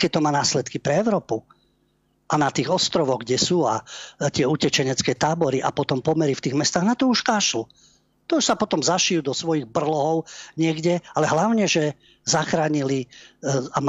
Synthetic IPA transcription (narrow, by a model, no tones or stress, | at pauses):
kɛc̚t̪ɔmaːnaːslɛt̪kipɾɛɛʊɾɔːpu | ʔanat̪iːɣɔst̪ɾɔʋɔɣɡɟɛsuːat̪ɪɛucɛt͡ʃɛɲɛt͡skɛːt̪aːbɔɾiʔa̰pɔt̪ɔmpɔmɛɾift̪iːɣmɛst̪aːɣnat̪ɔuʃkaːʃlu | t̪ɔuʃsapɔt̪ɔmzaʃijud̪ɔsʋɔjiɣbr̩lɔɦɔʊɲɪɛɡɟɛalɛɦlaʊɲɛʒɛ | zaxɾaːɲili | am